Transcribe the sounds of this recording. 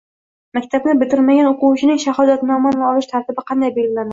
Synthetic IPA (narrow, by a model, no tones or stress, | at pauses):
mækʲt̪ʰabnɪbɪt̪ɪɾmaɡʲanoqʊwt͡ʃʰɪnɪŋʃahɒd̪at̪nɒmanɒlˠɪʃt̪ʰaɾt̪ɪbɪqʰɑnd̪ajbe̞lɡʲɪlanɪ